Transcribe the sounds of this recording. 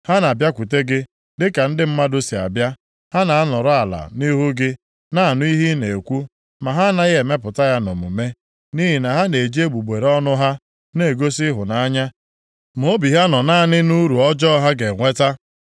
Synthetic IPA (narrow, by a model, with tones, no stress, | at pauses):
ha˦na˨bja˦kʷu˨te˦ɡɪ˦ | dɪ˦ka˨n̩˦dɪ˦m̩˦ma˦dʊ˦si˨a̰˨bja˦ | ha˦na˨a˦nɔ˨ɾʊ˦a˨la̰˨ni˦ɦu˦ɡɪ˦ | na˦a˨nʊ˦i˦ɦi˦ne˨e˨kʷu˦ | ma˨ɦa˦na˦je˨me˦p̬ʊ˨ta˦ja˦no˨mṵ˨me˦ | ni˦ɦi˨na˨ɦa˦ne˨d͡ʒe˦ɡ͡bu˨ɡ͡be˨ɾɔ˦nʊ˦ɦa˦ | ne˦˨ɡo˦si˦ɦʊ˨na˨a˦ɲa˦ | m˨o˦bi˨ɦa˦nɔ˨na˦˨nɪ˦nu˦ɾu˨ɔ˦d͡ʒɔ˦ɦa˦ɡe˨ŋʷe˦ta˦